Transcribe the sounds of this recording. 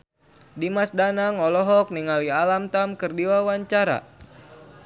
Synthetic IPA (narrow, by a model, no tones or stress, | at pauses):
dimasdanaŋɔlɔɦɔk̚niŋalialamt̪amkɨrdiwawaɲt͡ʃaɾa̰